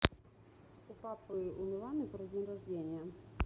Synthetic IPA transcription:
upapɨumʲɛlˠanɨpɾɔzʲenʲrazʲlʲenʲjɐ

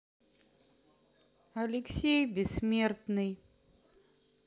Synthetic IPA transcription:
ɐlʲɪksʲejbʲɪsmʲe̞rt̪nɨj

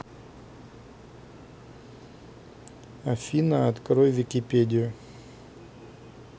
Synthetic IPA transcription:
ɐfʲinɐɐt̪kɾojvʲɪkʲɪpʲedʲɪjʊ

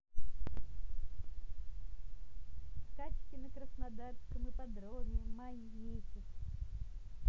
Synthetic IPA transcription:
skat͡ʃkʲɪnɐkɾəsnad̪arskəmɨpad̪ɾɔvʲɛmanʲit̪ɨ

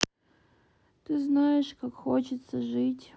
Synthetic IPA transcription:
t̪ɨznajɪʂkakxot͡ɕɪt̪səʐɨtʲ

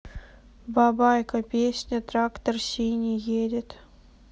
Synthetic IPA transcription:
bɑbɑjkəpʲesʲnʲət̪rakt̪ərsʲinʲijedʲɪt̪

